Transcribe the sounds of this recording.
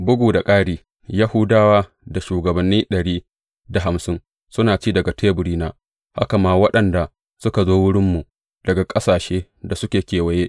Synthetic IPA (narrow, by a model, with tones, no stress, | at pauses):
bʊ˦ɡʷuː˨da˨kʼaː˦ɽiː˦ | ja˦hʊ˦daː˦waː˦ | da˨ʃuː˨ɡɐ˨bɐ˨nːiː˦ɗɐ˨ɽiː˦ | da˨ɦa˨msɪ˦n | sʊ˦naː˨t͡ʃiː˦dɐ˨ɡa˨tʰeː˦bʊ˨ɽiː˦naː˦ | ha̰˦ka˨maː˦wɐ˦ɗɐ˨nda˨ | sʊ˦ka˨zoː˦wʊ˦ɽɪ˦mːu˨ | dɐ˨ɡa˨kʼɐ˦saː˨ʃeː˦ | da˨sʊ˦kʲeː˨kʲeː˨wɐ˦jeː˦ʔ